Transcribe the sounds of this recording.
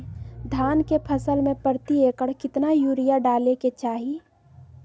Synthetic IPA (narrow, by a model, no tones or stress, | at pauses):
d̪ʱaːnkepʰəsəlmẽpəɾt̪ieːkəɽkɪt̪najuːɾijaɖaːleket͡ʃaːɦi